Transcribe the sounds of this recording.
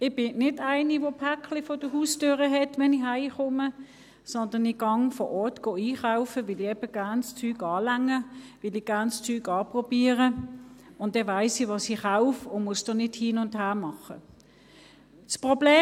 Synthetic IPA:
ɪb̥ɪnɪdaɪniʋopʰæklɪfɔd̥əhuːstøːʁəɦɛtʋɛnɪɦaɪχʊmə | sɔndɐnɪɡ̥ɑŋfɔ̰ʔɔɐtɡ̥oːiːχaʊfəʋɪliɛb̥əɡ̥ænst͡syːɡɑːlæŋːəʋɪliɡ̥æɐnst͡syːɡɑːpʁɔbiːəʁə | ʊn̚d̥ɛvaɪsiʋɑsiχaʊfʊnmʊsd̥onɪthiːnʊndhæːmɑχə̰ | spʁɔbleː

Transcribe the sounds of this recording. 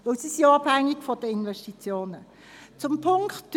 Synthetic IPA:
vɪlsisiɑb̥hæŋːiɡfɔd̥əɪnvɛʃtit͡sjoːnə | t͡sʊmpʰʊŋktd̥

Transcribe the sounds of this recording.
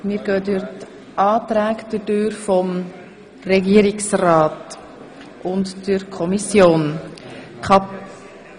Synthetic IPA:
mɪːɾɡœːdyɾt | ʔɑːt̪ɾæːkd̥ədøːɾfɔm | rɛɡiəɾɪksraːt | ʔʊntdəɾkʰɔmisjoːn | kʰɑp

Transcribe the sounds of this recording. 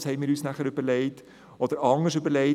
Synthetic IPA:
shɛɪnmɪːɾyːsnæχəɾʏb̥əlɛɪt | ɔd̥̪əɾɑŋəʃʏbəɾlɛɪ

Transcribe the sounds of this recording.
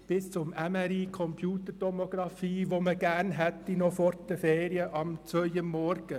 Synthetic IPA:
b̥ɪst͡sʊmæmɛɾiːkʰɔmpʰjuːt̪əɾtɔmoɡɾɑfiːʋoməɡ̥æːɾnɦɛt̪ːinɔfɔɾdəfeːɾiəʔɑmt͡sʋœjəmːɔɾɡ̥ə

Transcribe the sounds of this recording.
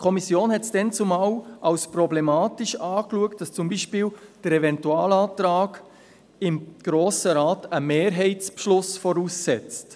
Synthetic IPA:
kʰɔmisjoːnhɛtsd̥ɛnt͡sʊmɑwɑwspɾɔblɛmaːtiʃɑːkluəkt̚d̥ɑst͡sʊmbiːʃpɪːld̥əɾɛvɛntuɑːlɑːt̪ɾaːɡ | ɪmɡ̥ɾoːsəɾaːtəmeːɾɦɛɪtt͡spʃlʊsfɔɾusːɛt͡st

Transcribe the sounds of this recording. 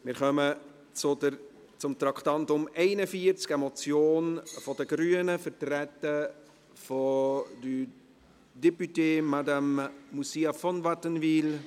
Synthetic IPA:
mɪɾχœmə | t͡sʊdə | t͡sʊmt̪ɾɑktɑntʊmɛɪnəfiəɾt͡skɛmɔt͡sjoːnfɔdəɡɾyːənəfətɾɛtə | fɔdy | depyteːmadamːusiafɔnvatənviːl

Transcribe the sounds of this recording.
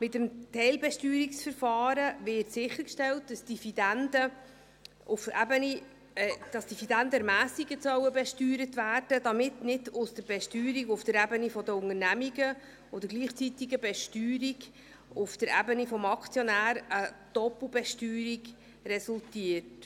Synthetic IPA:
mɪtəmtʰɛɪlbɛʃtyːɾiksfəɾfɑːɾəvɪtsɪχəɾkʃtɛlt̚d̥ɑsd̥ifidændə | ʊfɛbəni | d̥ɑsd̥̪ifidændəɾmæːsiɡəsœwəbɛʃtyːɾətvæːrd̥ədɑmɪtnɪdʊsd̥əɾb̥ɛʃtyːɾiɡʊfd̥əɾɛbənifɔdəʊŋənæmiɡə | od̪əɾɡliːχt͡sitiɡəbɛʃtyːɾiɡ | ʊfd̥əɾɛbənifɔmɑkʰt͡sjɔnæːɾə | d̥ɔpl̩bɛʃtyːɾiɡ | ɾɛsultiərt

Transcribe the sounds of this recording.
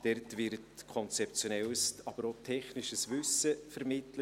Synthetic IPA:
d̥ɛrtvɪɾtkʰɔnt͡sɛp̚t͡sjonɛlsɑb̥əɾotʰɛχnɪʃəsvʏsəfɛɾmɪtlə

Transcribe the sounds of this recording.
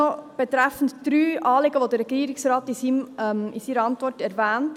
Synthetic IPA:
ɔb̥ɛt̪ɾæfən̩td̥ɾyːʔɑːleɡəʋodəɾɛɡiːəɾɪksɾɑːtisimmisiːɾəɑntvɔrtɛɾvæːnt

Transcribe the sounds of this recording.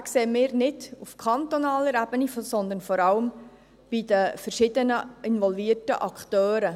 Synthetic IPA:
kseːmɪːɾnɪd̥ufkʰɑnt̪ɔnɑːləɾæbənisɔnd̪ənfɔɾɑləm | b̥ɪd̥əfərʃɪdənəɪnvɔlviːrtə̰ʔɑkχt̪øːɾə

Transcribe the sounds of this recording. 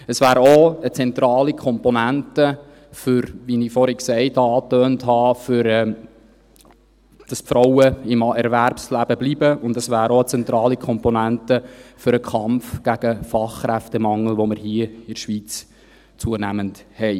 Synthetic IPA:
əsvæːɾoət͡sɛnt̪ɾɑːlikʰɔmpɔnæntə | fʏɾʋinifɔɾiksɛɪtɑɑːtøːnthɑːfʏɾɛ | d̥ɑspfɾɔwəɪmɛɾværpslæb̥əblibəʊndəsvæːɾoət͡sɛnt̪ɾɑːlikʰɔmpɔnæntəfʏɾəkʰχɑmfɡ̥æɡ̥əfɑχːɾæftəmɑŋːl̩ʋoməɾhiəɪʃʋit͡s | t͡suənæmənthɛɪ

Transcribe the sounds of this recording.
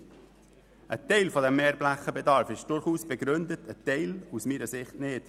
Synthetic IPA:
ʔə̰tɛɪlfɔdɛmːeːɾblæχəbɛdɑɾfɪʃd̥ʊɾχuːsb̥ɛɡɾʏndətʰətɛɪlusmiːɾəsɪχtnɪːt

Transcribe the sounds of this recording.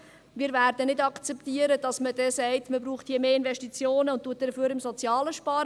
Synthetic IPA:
miːɾvæːrdənɪdɑkt͡sɛptiːəɾəd̥ɑsməd̥ɛsɛɪtməbɾuːχthiːəmeːɪnvɛʃtit͡sjoːnəʊntːuət̚dəføːɾɪmsɔt͡sjɑːləʃpɑːɾ

